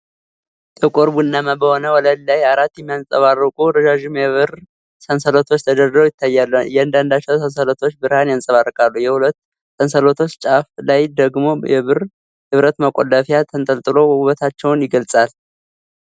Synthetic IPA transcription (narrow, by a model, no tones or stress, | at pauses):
t̪ʰəkʼoɾbunːaməbəho̞nəwɔləd̪lajaɾat̪ːjɛmːijansʼəβarːɨkʼuɾəd͡ʒaʒumjɛβɨr | sənsəlo̞t̪ʰo̞t͡ʃːt̪ʰəd̪əɾd̪əɾojɪt̪ʰːajːalːujɛand̪and̪at͡ʃːɛwsʰənsəlot̪ʰo̞t͡ʃːbɨɾhanjansʼəβarːəkʼalːujɛhulət̪ː | sənsəlo̞t̪ʰo̞t͡ʃːt͡ʃʼaflajd̪əɡmo̞jɛβɨr | hɨβɾət̪məkʼolːəfjat̪ʰənt̪ʼəlt̪ʼɨlo̞uβət̪ʰat͡ʃːɛwnjɪɡəlsʼal